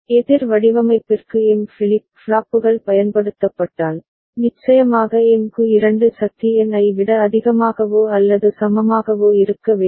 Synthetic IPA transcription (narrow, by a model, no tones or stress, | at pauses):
ɛðɪɾʋɐɽɪʋɐmɐɪpːɪrkɯɛnfɪlɪpː | ɭaːpːɯɣɐɭpɐjɐnpɐɽɯt̪ːɐpːɐʈːaːl | nɪt͡ʃːɐjɐmaːɣɐɛnkɯɪɾɐɳɖɯsɐk̚t̪ːiɛnɐɪʋɪɽɐːðɪɣɐmaːɣɐʋoːɐlːɐðɯsɐmɐmaːɣɐʋoːɪɾɯkːɐʋe